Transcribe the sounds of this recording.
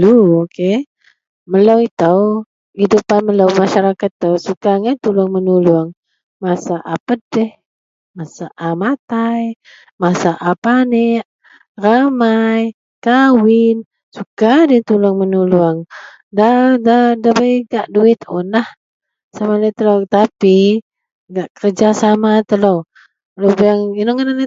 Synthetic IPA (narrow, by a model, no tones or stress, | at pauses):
luoke | məlowit̪əw | idupanməlowmaʃaɾakat̪ːəwsukaŋənt̪ulʊŋmənuluaŋ | masaʔapədɛh | masaʔamat̪aj | masaʔapanɛʔ | ramaj | kawɪn | sukadɛnt̪ulaŋmənuluaŋ | dadadabajɡaʔduɪt̪onah | samanɛt̪əlot̪api | ɡaʔkərd͡ʒasamat̪əlo | lobaaŋinoŋənanɛ